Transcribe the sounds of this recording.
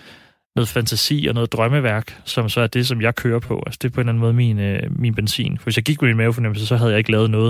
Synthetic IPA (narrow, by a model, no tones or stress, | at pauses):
nɔ̽ːð̩ˠfænt͡sʰæsḭːɒ̽nɔ̽ːð̞̩ˠd̥ʁɶməʋæɐ̰ɡ̥sɒ̽msɒ̽æɐd̥e̝s̬ɒ̽mjɑ̈ɪkʰøːɐpʰɒ̽ʔælsə̥d̥e̝pʰɒ̽e̝ːnlæn̩mɔ̽ːð̞̩ˠminminb̥ensḭːnfɒʋesjɑ̈ɪɡiɡ̥meminmɛʊfɒnem̰̩səsɒ̽ɦæð̞̩ˠjɑ̈eɡ̥əlɛːðˠnɔːð̩ˠ